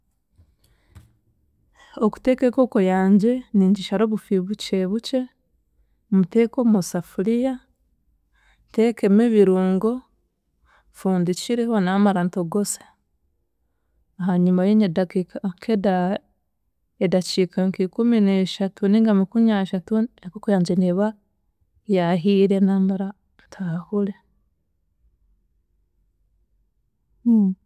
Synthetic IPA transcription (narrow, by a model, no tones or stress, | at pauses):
oku̥te̞keko̞kojaːɲɟe̞niːɲɟiʃaɾo̞ːβufiβut͡ʃeβut͡ʃe̞ | mute̞ːko̞mosafulija | tekemeβiɾuːŋɡo̞ | fuːndit͡ʃiɾihonamaɾantoɡosḁ | aɦaɲumajeɲedakikakʰeda | edat͡ʃikʰaŋkikumineʃatʰuniŋɡamikuɲaʃatuakokujaːɲd͡ʒeneβa | jaɦiːɾenamaɾa | tʰahule